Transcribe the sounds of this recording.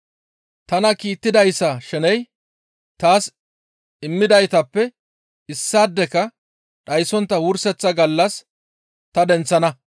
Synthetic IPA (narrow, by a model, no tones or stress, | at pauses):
t̪ɐnɐkiːt̪ːɪd̪ɐjsːɐʃɛnɛj | t̪aːs | ɪmːɪd̪ɐjt̪ɐpːɛ | ɪsːaːd̪ːɛkɐ | ɗɐjsɔnt̪ːɐwʊɾsɛt͡sːɐɡɐlːɐs | t̪ɐd̪ɛnt͡sːɐnɐ